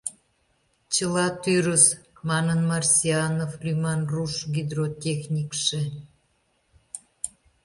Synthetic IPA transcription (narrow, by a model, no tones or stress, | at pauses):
t͡ɕəlɑt̪yɾəsmɑnənmɑrsʲiɑnoflʲymɑnruʃɡid̪rotʲexnʲikʃĕ